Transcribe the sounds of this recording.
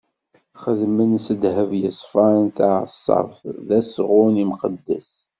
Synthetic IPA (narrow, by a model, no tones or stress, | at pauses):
χəðmənsəd̪ɦəvjəsˤfɑɾˤnt̪ʕəsˤːɑ̰fðæsʁʊnimqəd̪ːæs